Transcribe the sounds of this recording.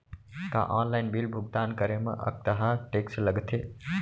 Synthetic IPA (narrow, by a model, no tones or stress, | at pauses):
kã̰ʔaːnlaɪnbilbʱʊɡ̚t̪aːnkəɾemɐ̰̃ʔɐ̰k̚t̪ɐɦãʈeːksləɡt̪ʰe